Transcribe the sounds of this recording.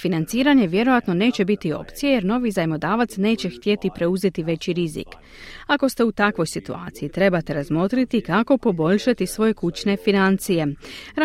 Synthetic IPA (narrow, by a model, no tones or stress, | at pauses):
finant̪siːɾaɲe̞ʋje̞ɾo̞jat̪no̞ne̞ːt͡ɕe̞bit̪io̞̰pt̪sijeje̞ɾno̞ʋizajmo̞d̪aːʋat̪sne̞ːt͡ɕe̞xt̪je̞t̪ipɾe̞uze̞t̪iʋe̞t͡ɕiɾizḭk | ako̞st̪e̞ut̪akʋo̞jsit̪ua̰ːt̪sijit̪ɾe̞bat̪e̞ɾazmo̞t̪ɾit̪ikako̞po̞bo̞ʎʃat̪isʋo̞je̞kut͡ʃne̞finant̪sije̞ɾ